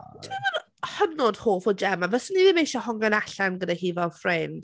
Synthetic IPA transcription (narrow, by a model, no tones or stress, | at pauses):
d̥ɪən | hənɔd̥hoːfɔd͡ʒɛmavəsəniðɪmejʃɔhɔŋanaɬanɡədahiːvafrɛnd̥